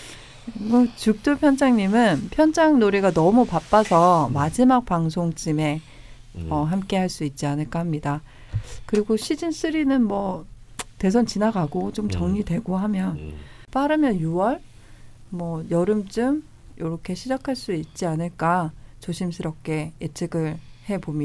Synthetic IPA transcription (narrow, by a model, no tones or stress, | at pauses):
mʌt͡ɕuk̚t͈opʰjʌnd͡ʑaŋɲimɯnpʰjʌnd͡ʑaŋnoɾiɡanʌmupap͈asʰʌmad͡ʑimak̚paŋsʰoŋt͡ɕ͈ime̞ | ʌɦamk͈e̞ɦaɭs͈uit̚t͡ɕ͈ianɯɭk͈ahamɲida | kɯɾiɡoɕʰid͡ʑins͈ɯɾinɯnmwʌte̞s̬ʰʌnt͡ɕinaɡaɡot͡ɕomt͡ɕʌŋɲidwe̞ɡoɦamjʌnpaɾɯmjʌnjuwʌɭ | mwʌjʌɾɯmt͡ɕ͈ɯm | joɾʌkʰe̞ɕʰid͡ʑakʰaɭs͈uit̚t͡ɕ͈ianɯɭk͈at͡ɕoɕʰimsʰɯɾʌp̚k͈e̞jet͡ɕʰɯɡɯɭhe̞bomɲi